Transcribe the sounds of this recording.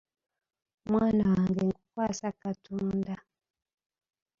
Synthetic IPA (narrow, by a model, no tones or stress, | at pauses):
mwanaaŋɡɛŋɡukwasakatunda